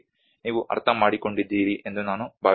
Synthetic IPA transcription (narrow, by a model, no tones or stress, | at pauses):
niːʋuʔɐ̰ɾt̪ʰɐmaːɽiko̞ɳɖid̪ːiːɾiʔe̞nd̪unaːnubʱaː